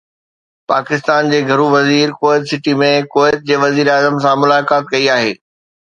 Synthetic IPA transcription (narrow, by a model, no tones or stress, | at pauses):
paːkɪst̪aːnd͡ʑeːɡʱɐɾuʋɐziːɾkoːɪt̪sɪʈimẽkoːɪt̪̚d͡ʑeːʋɐziːɾaːzəmsãmʊlaːkaːt̪̚kɐiaːɦḛː